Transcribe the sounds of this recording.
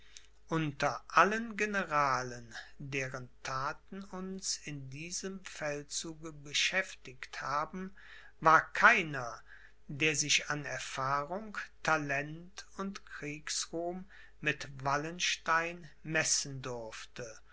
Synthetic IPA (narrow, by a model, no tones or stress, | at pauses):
ʔʊntɐʔalənɡenəʁaːləndeːʁəntʰaːtn̩ʊnsɪndiːzəmfɛlt͡suːɡəbəʃɛftɪkthaːbm̩ | vaːɐkʰaɪnɐ | deːɐzɪʃanɛɐfaːʁʊŋtʰalɛntʊntkʁ̥iːksʁuːmː | ɪtvalənʃtaɪnmɛsn̩dʊɐftə